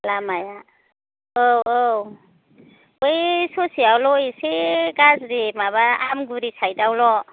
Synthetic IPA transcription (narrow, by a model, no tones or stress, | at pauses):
lamaja | owow | ojsosiawlɔjseɡazɾimaβaamɡuɾisʰajdawlɔ